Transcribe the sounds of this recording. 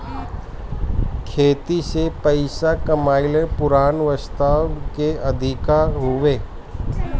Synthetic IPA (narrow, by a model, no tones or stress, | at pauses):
kʰeːt̪isepəɪsakɐmaːɪlẽpʊɾaːnʋəst̪aːwkeɐd̪ʱɪkaɦʊʋeː